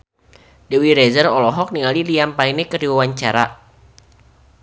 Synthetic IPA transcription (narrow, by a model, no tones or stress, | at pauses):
dəwiɾɛzərɔlɔɦɔk̚niŋaliliampainɛkərdiwawaɲt͡ʃaɾa̰